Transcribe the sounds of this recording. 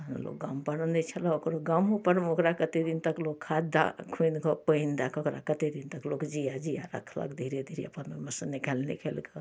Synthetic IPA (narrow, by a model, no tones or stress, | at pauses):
n̰lo̰kɡampəɽənd̪et͡ʃʰəlaokɾoɡamɦupəɾmokɾakət̪ed̪int̪əklokkʰad̪d̪a̰kʰunkɔpəind̪akokɾa̰kət̪ed̪int̪əklokd͡ʒijad͡ʒijaɾə̰kʰlə̰kd̪ʱiɾed̪ʱiɾeəpəneməsənikalnḭkʰelkə